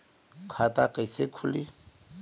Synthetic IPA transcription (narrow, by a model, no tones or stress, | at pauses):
kʰwatakʼɛsekʰʊlɪ